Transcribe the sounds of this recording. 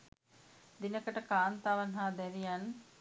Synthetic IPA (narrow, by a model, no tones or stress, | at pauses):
d̪inəkəʈəkaːnt̪aʋanɦaːd̪ɛɾijan